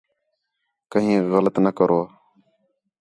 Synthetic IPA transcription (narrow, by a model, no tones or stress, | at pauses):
kəɦĩːɣələt̪nəkəɾʔoːaː